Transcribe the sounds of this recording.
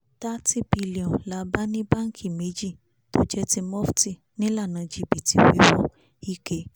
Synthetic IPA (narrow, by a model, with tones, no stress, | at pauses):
ta˦ti˦bi˧li˨ɔ̃˨la˨˦ba˦nĩ˦ba˦ŋ̩˦kʰi˦˨me˨˦d͡ʒi˦˨ | to˦d͡ʒɛ˦ti˧mɔ˦fti˦˨ | nĩ˦la˦˨nã˨˧d͡ʒi˨˧˨bi˨ti˨˦we˨˦wɔ˧ | i˦ke˧˦